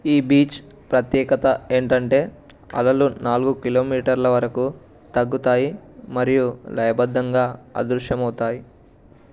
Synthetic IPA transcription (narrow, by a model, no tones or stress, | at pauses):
iːbiːt͡ʃ | pɾɐt̪jɛːkɐt̪ɐeːɳʈɐɳʈe̞ː | ɐ̰lɐlunaːluɡukilo̞ːmiːʈɐɾlɐʋɐɾɐku | t̪ɐɡːut̪aːjimɐɾijulɐjɐbɐd̪ːɐŋɡaːɐ̰d̪ɾuʂjɐmɐwt̪aːji